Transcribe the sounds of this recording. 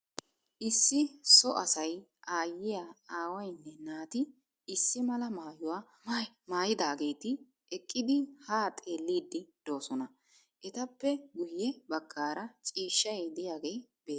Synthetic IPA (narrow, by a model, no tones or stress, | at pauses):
ʔɪsːɪsɔʔɐsɐj | ʔaːjːɪjaaːwɐjnːɛnaːt̪ɪ | ɪsːɪmɐlɐmaːjʊwaː | maːjɪd̪aːɡe̞ːt̪ɪ | ɛkʼːɪd̪ɪhaːt̪ʼe̞ːlːiːd̪ːɪd̪̥o̞ːsɔnɐ | ʔɛt̪ɐpːɛɡʊjːɛbɐɡːaːɾɐt͡ʃʼiːʃːɐjd̪ɪjaːɡejbeː